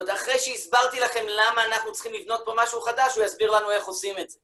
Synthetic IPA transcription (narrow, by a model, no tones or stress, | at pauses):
d̪aχʁejʃeisbaʁt̪ilaχe̞mlamaːnaχnut͡sχimlivno̞t̪̚po̞maʃuχad̪aʃhujasbiʁlanue̞χo̞simetze